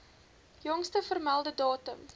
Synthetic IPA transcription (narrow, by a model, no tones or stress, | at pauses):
jɔŋstəfərmælˠdədɑːtəm